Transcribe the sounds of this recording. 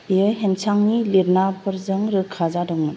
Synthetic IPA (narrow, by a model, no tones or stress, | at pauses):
ijɯɦensaŋniliɾnapɯɾzɯŋɾɯkʰazadɔwmɯn